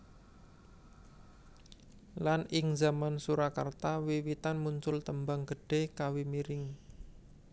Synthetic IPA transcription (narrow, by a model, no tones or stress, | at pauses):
lanɪŋzamansuɾaka̰rt̪awiwit̪anmuɲt͡ʃʊlt̪əmbaŋɡ̥ə̤ɖ̥e̤hkawimiɾɪŋ